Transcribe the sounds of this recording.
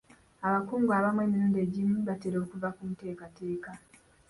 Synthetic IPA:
aβakuːŋɡwaβamwemindeɟimuβateɾo̞ːkuvakumute̞ːkate̞ːka

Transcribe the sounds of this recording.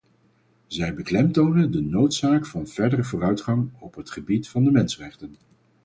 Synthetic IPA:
zɛjbəklɛmtownəndənowtsaːkfɑnv̥ɛɹdərəvʊːrœɥtχɑŋɔpɦətχəbitfɑndəmɛnsrɛχtən

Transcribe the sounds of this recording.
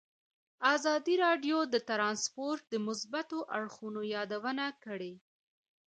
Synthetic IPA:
azɑd̪iɾɑɖjod̪ət̪ɾɑnspoɾt̪̚d̪əmʊsbat̪oʔaɽxunojɑd̪awənakəɽe

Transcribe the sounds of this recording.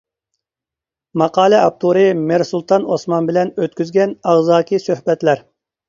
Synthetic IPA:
mɑqʰɑːlˠɛɑp̚t̪ʰuɾɨmeɾsulˠt̪ʰɑnosmɑnbɪlɛnøt̪kʲyzɡʲɛnɑʁzɑːkʲʰisøhbɛt̪læɾ

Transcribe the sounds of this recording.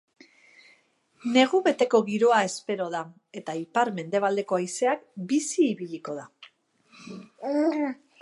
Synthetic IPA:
ne̞ɣuβe̞t̪e̞ko̞ɣiɾo̞ae̞spe̞ɾo̞ða | e̞t̪aipaɾme̞nd̪e̞β̞ald̪e̞ko̞ajse̞akbisiːβiʎiko̞ða

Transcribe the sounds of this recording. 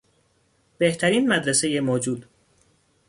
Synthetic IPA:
b̥e̞ht̪ʰæɾiːnmæd̪ɾese̞je̞moːd͡ʒuːd̪

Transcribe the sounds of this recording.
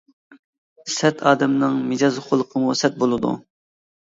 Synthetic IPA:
sɛt̪ʰɑːd̪ɛmnɨŋmɪd͡ʒɑːzχʊlˠəqʰəmusɛt̪̚bolˠɨd̪ṵ

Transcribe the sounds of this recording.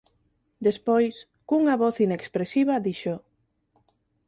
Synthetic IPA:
d̪espojs | kuŋaβɔθinekspɾesiβɐðiʃo

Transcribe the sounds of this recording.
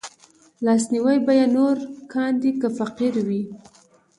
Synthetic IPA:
lɑsniwajbajanoɾkʰɑnd̪ikəfaqiɾwi

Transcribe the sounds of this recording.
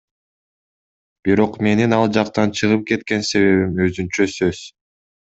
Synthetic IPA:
b̥iɾo̞qme̞ninɑlˠd͡ʒɑqt̪ɑnt͡ʃʰɯʁɯp̚ke̞t̪̚ke̞nse̞βe̞βimøzynt͡ʃøsøz̥

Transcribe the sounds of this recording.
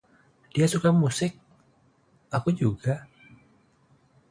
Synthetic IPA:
d̥iasukamusɪk̚ | ʔakud͡ʒuɡa

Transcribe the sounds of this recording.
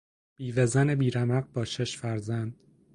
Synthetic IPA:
b̥iːvezænebiːɾæmæɣbɒːʃeʃfæɾzænd̪̥

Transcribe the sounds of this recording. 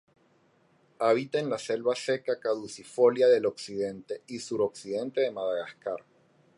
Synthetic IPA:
aβ̞it̪aːnlase̞lβase̞kakaðusifo̞ljaðe̞lo̞ksiðe̞nt̪e̞isuɾo̞ksiðe̞nt̪e̞ðe̞maðaɣaskaɾ

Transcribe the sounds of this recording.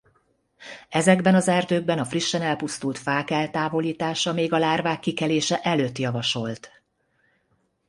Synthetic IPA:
ɛzɛɡbɛnɒzɛrd̪øːɡ̚bɛnɒfriʃːɛnɛlpust̪ult̪faːkɛlt̪aːvo̞liːt̪aːʃɒmeːɡɒlaːrvaːkːikɛleːʃɛʔɛløːt̪jɒvɒʃo̞lt̪

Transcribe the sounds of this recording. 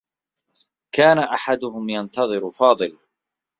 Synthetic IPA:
kaːnaʔaħad̪ʊhʊmjant̪ɑðˤɨɾfɑːðˤɨl

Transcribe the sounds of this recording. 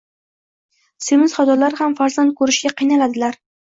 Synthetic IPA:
semɪz̥χat̪ʰɒlaɾhamfaɾzant̪̚kʰɵɾɪʃɡʲaqʰɨjnalad̪ɪlaɾ

